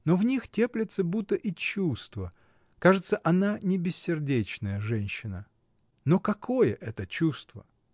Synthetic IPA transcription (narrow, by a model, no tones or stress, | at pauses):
novnʲixtʲe̞plʲɪt̪səbut̪ːəʔit͡ɕust̪və | kaʐɨt̪səʔɐnanʲɪbʲɪsʲːɪrdʲet͡ɕnəjəʐɛnʲɕːɪnə | nokɐkʰo̞jəʔɛt̪ət͡ɕust̪və̰